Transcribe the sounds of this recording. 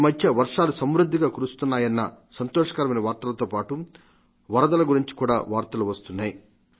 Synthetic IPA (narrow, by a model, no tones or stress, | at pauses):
mɐd̪ʱjɐʋɐɾʂaːlusɐmɾud̪ʱːiɡaːkuɾust̪unːaːjɐnːɐsɐnt̪ɔːʂɐ̥kɐɾɐmɐnɐʋaːɾt̪ɐlɐt̪o̞ːpaːʈu | ʋɐɾɐd̪ɐlɐɡuɾiɲt͡ʃi̥kuːɽa̰ːʋaːɾt̪ɐluʋɐst̪unːaːji